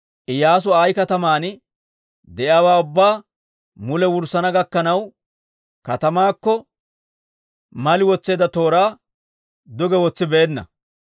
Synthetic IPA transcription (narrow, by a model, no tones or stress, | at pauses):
ʔɪjaːs̬ʊaːjkɐt̪ɐmaːnɪ | d̪ɛʔɪaːwaːʊbːaː | mʊlɛwʊɾsɐnɐɡɐkːɐnɐw | kɐt̪ɐmaːkːɔ | mɐlɪwɔt͡sːe̞ːd̪ɐt̪o̞ːɾaː | d̪ʊɡɛwɔt͡sːɪbeːnːɐ̰